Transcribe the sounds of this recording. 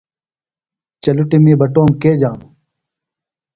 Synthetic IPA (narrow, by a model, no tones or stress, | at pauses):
t͡ɕɐluʈimibɐʈoːmkeːd͡ʑaːmu